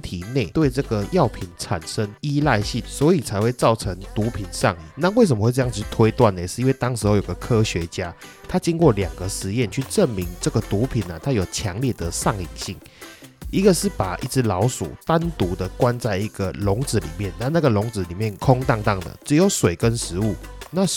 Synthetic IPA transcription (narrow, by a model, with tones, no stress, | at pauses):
t̪ʰi˨ne˥˩ɪt̪we˥˧ɪʈ͡ʂɤ˥˩ɡə˨jɑ˥˨˩ʊpʰi˨˩˦nʈ͡ʂʰa̰˨˩nʂə˦ŋi˥la˥˧ɪɕi˥˨˩nswɔ˧˦i˨t͡sʰa˧˥ɪwe˥˧ɪt͡sɑ˥˩ʊʈ͡ʂʰə˧˦ŋt̪u˨˥pʰi˨˩˦nʂɑ˥˧ŋi˨˩˦ŋna˥˧˨we˥˩ɪsə˨mə˧xwe˥˧ʈ͡ʂɤ˧jŋt͡st̪ʰwe˥ɪt̪wa˥˨ne˨˩ʂɻ̩˥˧i˦nwe˥˧ɪt̪ɑ˥ŋʂɻ̩˧ho˧ʊjo˨˩ɡ̥ə˩kʰɤ˦ɕɥɛ˧˦t͡ɕja˦˥t̪ʰa˥t͡ɕi˥ŋkwɔ˥˩ljɑ˨˩ŋɡə˩ʂɻ̩˧˦jɛ˥˧˨nt͡ɕʰy˥˧ʈ͡ʂə˥˨˩nmi˧˦ŋʈ͡ʂə˥˩ɡə˩t̪u˨˥pʰi˨˩na˩t̪ʰa˦˥jo˨˩ʊt͡ɕʰjɑ˧˦ŋljɛ˥˩d̪ə˨sɑ˥˩ŋi˨˩ŋɕi˥˨˩ŋ | i˧˦ɡə˨ʂɻ̩˥˩pa˨˩ʔḭ˥˩t͡sɹ̩˧lɑ˧˥ʊsṵ˨˩t̪a˦˥nt̪u˧˥d̪ə˨kwa˦nt͡sa˥˩ɪi˧˥ɡə˨lʊ˨˧˥ŋt͡sɹ̩˨˦lḭ˨˩mjɛ˥˨nna˥˧na˥˩ɡə˨lʊ˧˥ŋt͡sɹ̩˧˨˦li˨˩mjɛ˥˨nkʰʊ˥ŋt̪ɑ˥˧ŋt̪ɑ˥˩ŋd̪ə̰˩t͡sɻ̩˧˦jo˧˥ʊswe˨˩ɪkə˦nʂɻ̩˧˦u˥˩na˥˨